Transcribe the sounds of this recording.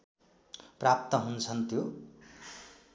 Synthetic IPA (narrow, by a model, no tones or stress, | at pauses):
prap̚t̪ʌɦunt͡sʰʌnt̪jo